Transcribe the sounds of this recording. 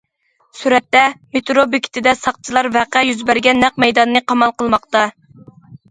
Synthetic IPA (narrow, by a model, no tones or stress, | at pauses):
syɾɛt̪ːɛmet̪ʰɾobekʲʰi̥t̪ʰɪd̪ɛsɑq̚t͡ʃʰilˠɑɾvæqæjyzbæɾɡʲɛnːæq̚mɛjd̪ɑnːɨqʰɑmɑlˠqəlˠmɑqt̪ɑ